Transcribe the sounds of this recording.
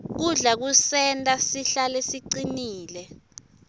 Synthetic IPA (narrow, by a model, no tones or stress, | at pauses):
k̬uɮak̬usɛntʼasiɬalesiǀiniːlɛ